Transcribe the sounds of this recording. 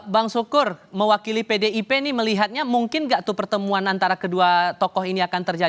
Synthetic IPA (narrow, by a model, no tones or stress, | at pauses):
baŋsukʊrməwakilipedeipeniməliɦat̪̚ɲamuŋkɪnɡaʔt̪upərt̪əmuanant̪aɾakəduat̪ɔkɔɦiniakant̪ərd͡ʒa